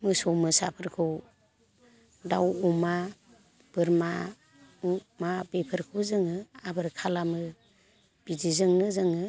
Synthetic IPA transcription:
mɯsɔmɯsa̰pʰɯɾkʰɯw | dawɔma | b̥ɯɾma | umabepʰɯɾkʰɯwzɯŋɯabɯɾkʰalamɯ | b̥idizɯŋnɯzɯŋɯ

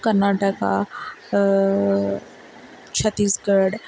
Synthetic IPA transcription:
kəɾnaːʈəka̰ | t͡ʃʰət̪ːiːsɡəɾɽ

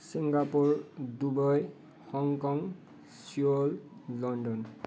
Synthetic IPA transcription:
siŋɡapuɹdubɔj | hɔŋkɔŋ | siollɔndɔn

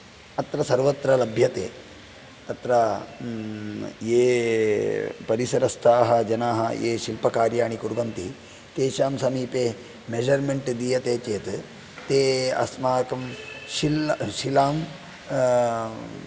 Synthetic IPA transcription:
ɐt̪ɾɐsɐɾʋɐt̪ɾɐlɐbʱjɐt̪ḛː | ɐt̪ɾɐ | jeː | pɐɾisɐɾɐst̪ʰaːɦɐd͡ʒɐnaːɦɐ̰jḛːʃilpɐkaːɾjaːɳ̃ikuɾbɐnt̪i | k̪eːʃaːmsɐmiːpeː | med͡ʒɐɾmeɳʈd̪iːjɐt̪eːt͡ʃeːt̪ | t̪eːɐ̰smaːkɐmʃilʃilaːm

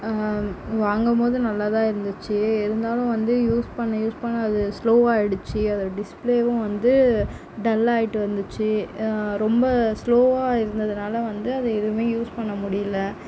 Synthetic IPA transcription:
ʋaːŋɡɐmpoːðɯnɐlːat̪ãːɪɾɯnd̪ɯt͡ʃːɯɪɾɯnd̪aːlʊ̃ʋɐnd̪ɯjuːspɐɳːɐjuːspɐɳːɐːðɯsloːʋaːɛɽɯt͡ʃːɯɐðɯɖɪspleːʋʊ̃ʋɐnd̪ɯ | ɖɐlːaːjɪʈːɯʋɐɾnd̪ɯt͡ʃːɯɾɔmbɐsloːʋaːɪɾɯnd̪ɐðɯnaːlɐʋɐnd̪ɯɐðɯɛðɯmeːjuːspɐɳːɐmʊɽɪjɐlːɐ

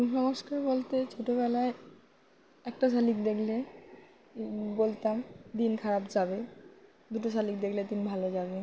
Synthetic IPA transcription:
unʃɔŋoʃkaɾbolt̪et͡ɕʰoʈoβɛlae | ɛkʈas̬alikd̪ekʰle | bolt̪amd̪inkʰaɾabd͡ʑabe | d̪uʈos̬alik̚d̪ekʰled̪inbʱalod͡ʑabe

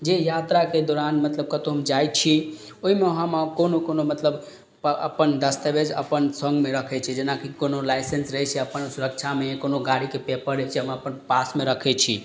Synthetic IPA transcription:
d͡ʒejat̪ɾaked̪ɔɾanmət̪ləb̚kət̪oɦəmd͡ʒajt͡ʃʰi | oɦimeɦamkonokonomət̪ləb | ə̰pənd̪əst̪əbed͡ʒə̰pənsə̃ŋɡmeɾəkʰɛt͡ʃʰɛd͡ʒenakikonolajsensɾəɦɛt͡ʃʰɛəpənsuɾək̚t͡ʃʰamekonoɡaɾikepepəɾɛt͡ʃʰɛɦəməpənpasmeɾəkʰɛt͡ʃʰḭ

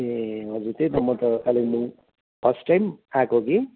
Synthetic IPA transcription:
eɦʌd͡zuɾt̪et̪ʌmʌt̪ʌkalenũ | pʰʌsʈajmakoɡe

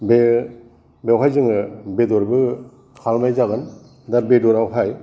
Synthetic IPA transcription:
be | bewɦajzɯŋɯbedɔɾbɯ | kʰalmajzaɡɯn | daɾbedɔɾawɦaj

